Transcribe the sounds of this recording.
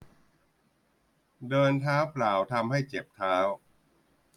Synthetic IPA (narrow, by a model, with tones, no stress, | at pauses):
dɤː˧nt̪ʰaː˦˥wpʰlaː˩˦wt̪ʰa˧mha˥˩jt͡ɕe˨˩p̚t̪ʰaː˦˥w